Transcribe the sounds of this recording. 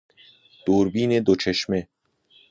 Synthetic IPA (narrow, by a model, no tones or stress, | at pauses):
d̪̥oːɾbiːned̪ot͡ʃʰeʃme